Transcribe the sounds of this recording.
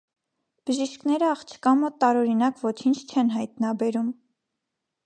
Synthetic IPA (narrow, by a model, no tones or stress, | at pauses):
b̥əʒiʃknɛɾəɑχt͡ʃʰə̥kɑmɔt̪ːɑɾɔɾinɑkvɔt͡ʃʰint͡ʃʰt͡ʃʰɛnɦɑjt̪nɑbɛɾum